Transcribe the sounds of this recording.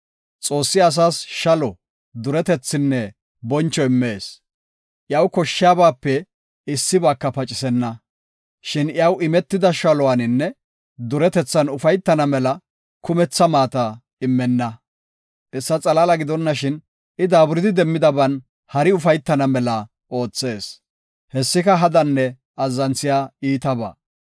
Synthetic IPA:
t͡sʼo̞ːsːɪɐs̬aːsʃɐlɔ | d̪ʊɾɛt̪ɛt͡sːɪnːɛ | bɔnt͡ʃːɔɪmːeːs | ʔjɐwkɔʃːɪjaːbaːpːɛ | ɪsːɪbaːkːɐpɐt͡ʃʼɪsɛnːɐ | ʃɪnjɐwʔɪmɛt̪ːɪd̪ɐʃɐlɔwanɪnːɛ | d̪ʊɾɛt̪ɛt͡sːɐnʊfɐjt̪ːɐnɐmɛlɐ | kʊmɛt͡sːɐmaːt̪ɐ | ɪmːɛnːɐ | ʔɛsːɐt͡sʼɐlaːlɐɡɪd̪ɔnːɐʃɪn | ɪd̪aːbʊɾɪd̪ɪd̪ɛmːɪd̪ɐbɐn | hɐɾɪʊfɐjt̪ːɐnɐmɛlɐ | o̞ːt͡sːe̞ːs | hɛsːɪkɐɦɐd̪ɐnːɛ | ɐzːɐnt͡sːɪjaːiːt̪ɐba̰ː

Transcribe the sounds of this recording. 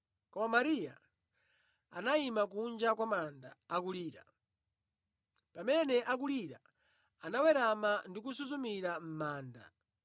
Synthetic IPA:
kɔmamaɾija̰ | a̰naimak̬und͡ʒakwamanda̰ːkuliːɾa̰ | pamɛnɛʔakuliɾa̰ | anawɛɾamandik̬usuzumiɾam̩maːnda̰

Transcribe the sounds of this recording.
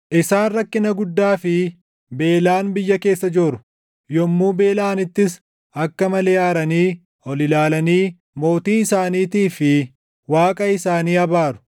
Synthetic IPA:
ʔɪsaːnrɐkːɪnɐɡʊd̪ːaːfɪ | be̞ːlaːnbɪjːɐke̞ːsːɐd͡ʒoːɾʊ̥ | jɔmːuːbe̞ːlaːnɪt̪ːɪs | ɐkːɐmɐlɛːaːɾɐniː | ɔlɪlaːlɐniː | mo̞ːt̪iːɪsaːniːt̪iːfɪ | waːkʼɐɪsaːniːɐbaːɾʊ̥

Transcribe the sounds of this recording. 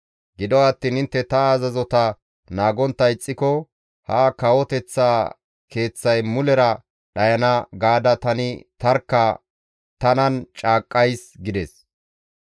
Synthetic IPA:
ɡɪd̪ɔɐt̪ːiːnhɪnt̪ːɛt̪ɐazɐzɔt̪ɐ | naːɡɔnt̪ːɐɪt͡sʼːɪkɔ | hakɐwɔt̪ɛt͡sːaː | ke̞ːt͡sːɐjmʊlɛɾɐ | ɗɐjɐnɐɡaːd̪ɐt̪ɐnɪt̪ɐɾkːɐ | t̪ɐnɐnt͡ʃʼaːkʼːɐjsɡɪd̪ɛs

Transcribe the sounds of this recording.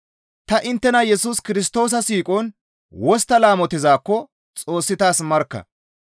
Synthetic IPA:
t̪ɐʔɪnt̪ːɛnɐjɛsuːskɪɾɪs̬t̪o̞ːs̬ɐsiːkʼɔn | wɔst̪ːɐlaːmɔt̪ɪzaːkːɔ | t͡sʼo̞ːsːɪt̪aːsmɐɾkːɐ̰

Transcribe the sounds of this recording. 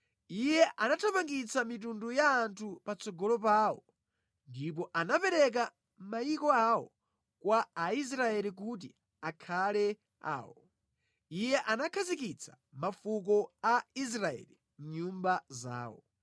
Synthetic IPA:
ijɛʔanatʰapaŋɡit͡samit̬undujaːntʰupat͡sɔɡɔlɔp̬aːwɔ | ndip̬ɔʔanapɛɾɛk̬a | m̩majikɔawɔ̰ | kwaːis̬ɾaɛlik̬ut̬i | akʰalɛ | a̰ːwɔ | ijɛʔanakʰazikit͡sʰḁ | mafuk̬ɔais̬ɾaɛ̰li | m̩ɲumbaza̰ːwɔ̰

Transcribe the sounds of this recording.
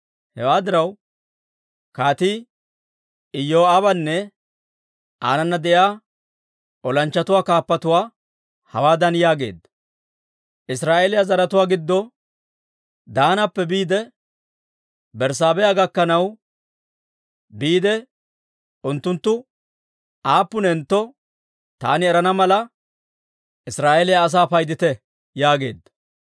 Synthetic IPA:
hɛ̰waːd̪ɪɾɐw | kaːt̪i | ɪjːoːabɐnːɛ | ʔa̰ːnɐnːɐd̪ɛjaː | ʔɔlɐnt͡ʃːɐt̪ʊwaːkaːpːɐt̪ʊwaː | hɐ̰waːd̪ɐnjaːɡe̞̰ːd̪ɐ | ʔɪsɾaːʔeːlɪjazɐɾɐt̪ʊwaːɡɪd̪ːɔ | d̪aːnɐpːɛbiːd̪ɛ | bɛɾs̬aːbɛjaɡɐkːɐnɐw | biːd̪ɛ | ʊnt̪ːʊnt̪ːʊ | ʔaːpːʊnɛnt̪ːɔ | t̪a̰ːnɪɛɾɐnɐmɐlɐ | ɪsɾaːʔɛlɪjaːs̬aːpɐjd̪ɪt̪ɛ | jaːɡe̞̰ːd̪ːɐ

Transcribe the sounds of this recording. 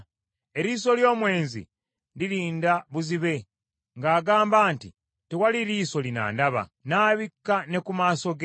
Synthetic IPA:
e̞ɾiːso̞ljo̞ːmwe̞ːnzḭ | liɾiːndaβuziβe̞ | ŋɡaːɡaːmbaːnti | tewaliɾiːso̞lina̰ːndaβa̰naːβikːane̞kumaːso̞ɡ

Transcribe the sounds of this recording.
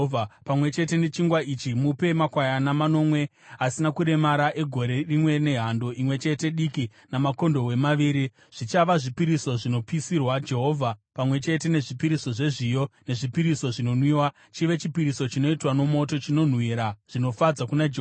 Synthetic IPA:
apamwe̞t͡ʃe̞te̞ne̞t͡ʃiŋɡwait͡ʃimupe̞makwajanamano̞ːmwe̞ | asinakuɾe̞maɾaʔe̞ɡʱo̞ɾe̞rimwe̞ne̞ɦando̞ʔimwe̞t͡ʃe̞te̞ɗiki | namako̞ndo̞we̞maʋiːɾi | ʐ̥it͡ʃaʋaʐipiɾiso̞ʐino̞pisirwad͡ʒe̞ɦo̞ːvʱapamwe̞t͡ʃe̞te̞ne̞ʐipiɾiso̞ʐe̞ʐijo̞ne̞ʐipiɾiso̞ʐino̞nwiːwa | t͡ʃiʋe̞t͡ʃipiɾiso̞t͡ʃino̞itwano̞mo̞to̞t͡ʃino̞n̤wiɾaʐ̥ino̞fad͡zakunad͡ʒe

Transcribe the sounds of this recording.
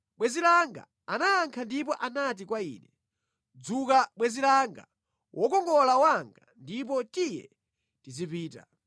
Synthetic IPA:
ɓwɛzilaŋɡa̰ | anaːŋkʰandip̬ɔʔanat̬ikwaḭːnɛ | d͡zukaɓwɛzilaŋɡa̰ | wʔɔkɔŋɡɔlawaŋɡandip̬ɔtijɛ̰ | tizipiːta̰

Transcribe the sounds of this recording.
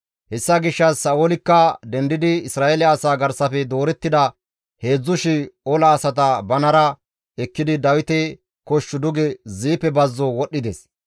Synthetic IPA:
hɛsːɐɡɪʃːɐsːɐʔolɪkːɐd̪ɛnd̪ɪd̪ɪɪsɾaːʔelɪːsaːɡɐɾsɐfɛd̪o̞ːɾɛt̪ːɪd̪ɐ | he̞ːd͡zːʊʃɪɔlɐːsɐt̪̬ɐbɐnɐɾɐ | ɛkːɪd̪ɪd̪ɐwɪt̪ɛ | kɔʃːʊd̪ʊɡɛziːpːɛbɐzːɔwɔɗːɪd̪ɛs

